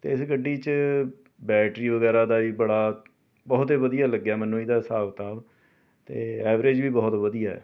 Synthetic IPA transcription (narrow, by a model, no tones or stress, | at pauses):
t̪ḛːɪsɡəɖːiːt͡ʃ | bɛːʈɾiːʋəɡɛːɾãːd̪aːʋiːbəɽaː | bɔːt̪eːʋəd̪ijaːləɡːjaːmɛnõːiːd̪aːsaːʋt̪aːb | t̪eːɛːʋɾed͡ʒʋiːbɔːt̪ʋəd̪ijaːɛ̰ː